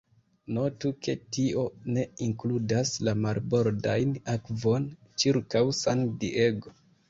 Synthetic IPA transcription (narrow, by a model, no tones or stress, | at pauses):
no̞tuke̞tio̞ne̞iŋkludaslamalbo̞ɾdajnakvo̞n | t͡ʃiɾkawsandiʔe̞ɡo̞